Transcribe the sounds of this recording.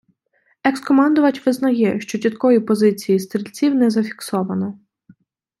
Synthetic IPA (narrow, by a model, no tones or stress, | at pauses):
ɛkskɔmɑnd̪ʊʋɐt͡ʃʲʋɪznɐjɛʃt͡ʃɔt͡ʃʲit̪kɔjipɔzɪt͡sʲijist̪ɾʲilʲt͡sʲiwnɛzɐfʲi̥ksɔʋɐnɔ